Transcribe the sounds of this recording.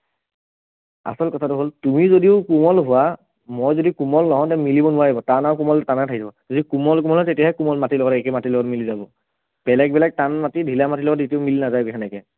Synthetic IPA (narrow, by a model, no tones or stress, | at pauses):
a̰sɔlkɔtʰatʊɦoltumizodiʊkumɔlɦʊwa | mojzodikumɔlnɔɦɔ̃ntɛmilibɔnʊwaɦibɔtanaʊkumɔltanatʰakizabɔzodikumɔlk̬umɔlɔtetijaɦɛkumɔlmatilɔɡɔtɛkɛmatilɔɡɔtmilizabɔ | b̥ɛlɛk̚bɛlɛk̚tanmatidʱilamatilɔɡɔtitiʊmilinazajkɛxʰɛnɛkɛ